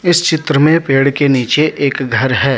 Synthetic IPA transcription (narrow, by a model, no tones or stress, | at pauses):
ɪst͡ʃɪt̪ɾəmẽpeːɽkeniːt͡ʃeʔeːkɡʱɐɾɦɛː